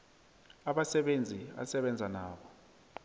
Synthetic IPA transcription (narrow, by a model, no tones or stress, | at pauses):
aɓasɛɓend͡zʱia̰sɛɓɛnd͡zʱanaːɓɔ